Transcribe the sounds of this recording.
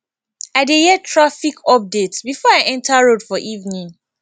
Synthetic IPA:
aɪdejɛtʰɹafikʰɔp̚detsbifɔaɪʔɛ̃ntʰaɹodfɔʔivnĩŋ

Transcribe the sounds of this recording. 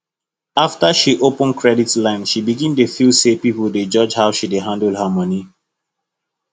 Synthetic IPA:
aftəʃiʔopə̃nkʰɹɛditlãɪ̃nʃibiɡĩndefilsepipəlded͡ʒɔd͡ʒhaʊʃideɦãndl̩hamʌni

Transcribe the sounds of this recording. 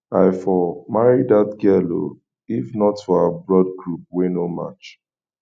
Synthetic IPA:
aɪfɔmaɹidatɡɛlo̰ | ifnɔtfɔabɹɔd̚ɡɹup̚wenoma̰t͡ʃ

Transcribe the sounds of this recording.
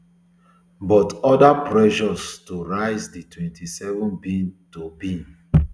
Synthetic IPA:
bɔtɔdapɹɛʃɔstoɹaɪzditʰwɛ̃ntisɛvɔ̃nbĩntobĩn

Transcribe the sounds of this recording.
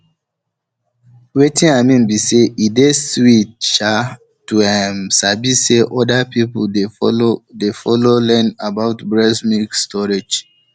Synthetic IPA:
wetĩnamĩnbiseʔideswit̚ʃa | tuɛmsabiseʔɔdapipedefɔlolɛ̃nabaʊtbɹɛsmikstʰɔɹed͡ʒ

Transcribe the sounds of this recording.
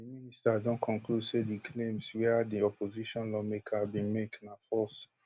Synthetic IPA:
iministadɔ̃nkʰɔ̃nkludsedikʰlẽmswɛdiɔpoziʃɔ̃nlɔmekʰabĩmeknafɔs

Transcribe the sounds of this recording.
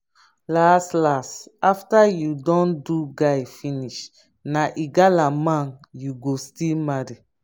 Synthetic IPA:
lastlastaftajudɔ̃nduɡaɪfiniʃ | naʔiɡalamãnjuɡostilmaɹi

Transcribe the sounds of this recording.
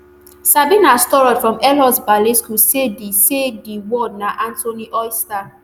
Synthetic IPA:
sabinastɔɹɔdfɹɔ̃mɛlɔsbaleskusedisediwɔdnaʔãntoniʔɔjsta

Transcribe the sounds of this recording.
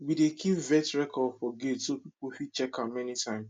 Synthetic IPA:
widekʰipvɛtɹɛkʰɔdfɔɡetsopipofit͡ʃɛkamɛnitʰãɪ̃ms

